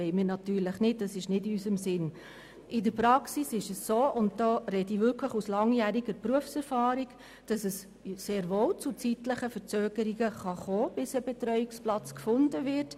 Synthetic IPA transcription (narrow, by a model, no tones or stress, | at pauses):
ɛɪmɪːɾnɑtyːɾləχnɪt̚dɑsɪʃnɪdiysəmsɪn | ɪdəɾpɾɑksisɪʃəsːoːʔʊnt̚d̥ɔːɾɛdivʏɾkʰləχuslɑŋjæːɾiɡəɾpruəfsɛɾfɑːɾiɡ | d̥ɑsəs | seːɾʋoːwt͡sʊt͡sitləχəfəɾt͡søːɡ̥əɾiɡəχɑχoːb̥ɪsəbɛt̪ɾœʏiksplɑt͡skfʊndəvɪɾt